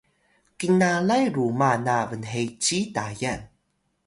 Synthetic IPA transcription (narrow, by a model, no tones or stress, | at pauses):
kiŋalajɾumanavənɦejt͡ɕitajan